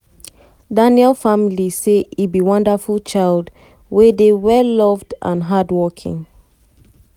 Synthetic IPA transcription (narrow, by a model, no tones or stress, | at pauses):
danjɛlfamiliseibiwʌ̃ndafult͡ʃaɪld | wedewɛlːɔvdã̰nɦadwɔkʰḭ̃ŋ